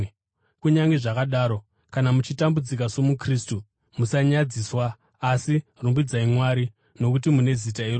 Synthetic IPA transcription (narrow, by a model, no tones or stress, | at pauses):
kuɲaŋɡe̞ʐakaɗaːɾo̞ | kanamut͡ʃitambud͡zikaso̞mukriːstu | musaɲad͡ziswaː | sirumbid͡zaimwaɾi | no̞kut̬imune̞zitaiɾo